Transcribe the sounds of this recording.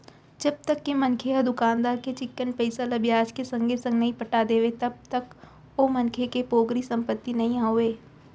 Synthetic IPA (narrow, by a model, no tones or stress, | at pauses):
d͡ʒɐb̚t̪əkːemɐnkʰeɦad̪ʊkaːnd̪aːɾket͡ʃɪkːənpɛɪsalɐbjaːd͡ʒkesɐ̃ŋɡesɐ̃ŋɡnɐɦĩpɐʈad̪eːʋet̪ɐb̚t̪ək | omɐnkʰekepoːɡɾisɐ̃mpət̪ːinɐɦĩaːɦoeː